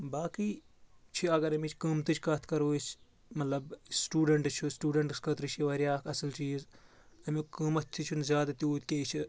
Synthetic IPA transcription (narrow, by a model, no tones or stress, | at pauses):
baːki | t͡ʃʰiɐɡɐɾɐmit͡ʃʰkɐmt̪ɨt͡ʃʰkɐt̪ʰkɐɾoːit͡ʃ | mɐt̪lɐbsʈuːɖɐɳʈt͡ʃʰusʈuːɖɐɳʈɨskɐt̪ɾɨt͡ʃʰiʋɐɾijaːkʰɐsɐlt͡ʃiːz | ɐmikəmɐt̪t̪ʰit͡ʃʰunzʲaːd̪ɐt̪ʲuːt̪kʲeːt͡ʃʰi